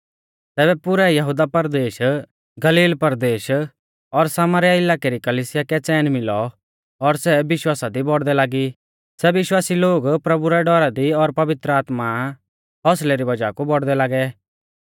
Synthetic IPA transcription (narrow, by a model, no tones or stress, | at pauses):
t̪ɛːbɛpʊɾɛjɐɦud̪apɐɾd̪eːʃ | ɡɐliːlpɐɾd̪eːʃ | ɔɾsaːmaɾjaɪlaːkeɾikɐliːsɪjakɛt͡sɛːnmɪlɔ | ɔɾsɛbɪʃwaːsad̪ibɔɽd̪ɛlaːɡi | sɛʋɪʃwaːsiloːɡpɾɐbuɾɛɖɔɾad̪iɔɾpɐʋɪt̪ɾəaːt̪ma | ɦɔslɛɾibɐd͡ʒaːkubɔɽd̪ɛlaːɡɛ